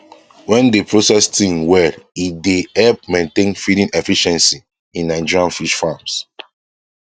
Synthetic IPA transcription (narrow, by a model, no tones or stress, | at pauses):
wɛ̃ndepɹosɛstĩŋwɛidehɛlp̚mẽntẽnfidĩnɛfiʃɛ̃nsi | ĩnːaɪd͡ʒiɹiãnfiʃfams